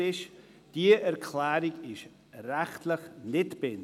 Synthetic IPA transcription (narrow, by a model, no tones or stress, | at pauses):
ɪʃ | d̥iːəʔɛɾkʰlaːɾɪɡɪʃ | ɾɛxtʰləxnɪtb̥ɪn